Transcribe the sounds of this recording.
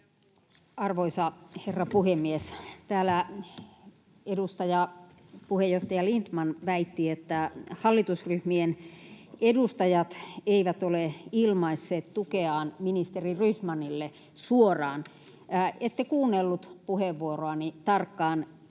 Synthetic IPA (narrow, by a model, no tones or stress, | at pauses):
ɑrʋoisɑherːɑpuhemːiest̪æːlæ | edust̪ɑjɑ | puhejjoht̪ːɑjɑlint̪mɑnʋæit̪ːiet̪ːæhɑlːit̪usryhmien | edust̪ɑjɑt̪eiʋæt̪oleilmɑisːeːt̪t̪ukeɑːnminist̪eriryhmɑnilːe | suorɑːn | et̪ːekuːnːelːut̪puheʋʋuoroɑnit̪ɑrkːɑːn